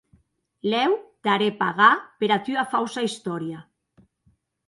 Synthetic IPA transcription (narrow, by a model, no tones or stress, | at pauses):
lɛwt̪aɾepaɣapeɾat̪yafawsaist̪ɔɾja